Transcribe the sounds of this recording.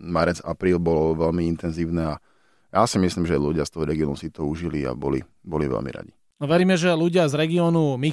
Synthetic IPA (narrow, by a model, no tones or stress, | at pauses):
maɾɛd͡za̰pɾiːlbɔlɔʋɛlmiint̪ɛnziːʊnɛːa | jʔaːsimisliːmʒɛluɟɪast̪ɔɦɔɾɛɡiɔːnusit̪ɔuʒilia̰bɔlḭ | bɔliʋɛ̰lmḭɾa̰ɟi | nɔʋɛɾiːmɛʒɛluɟɪazɾɛɡiɔːnumi